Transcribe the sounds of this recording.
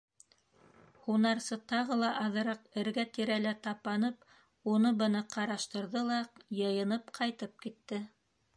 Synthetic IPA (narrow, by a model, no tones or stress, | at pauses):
hunɑɾsɤt̪ɑʁɤlˠɑʔɑðɤ̆ɾɑqɘ̆ɾɡæt̪iɾælæt̪ɑpɑnɤp̚ | unɤbɤ̆nɤqɑɾɑʃt̪ɤ̆ɾðɤlˠɑjɤ̆jɤ̆nɤpqʰɑjt̪ɤp̚kit̪ːɘ